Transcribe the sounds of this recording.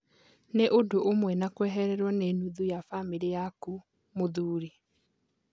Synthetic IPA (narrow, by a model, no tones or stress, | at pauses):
neʔodoʔomwɛnakwɛɦɛɾɛɾwɔneːnuðujafamiɾijaku | moðuːɾi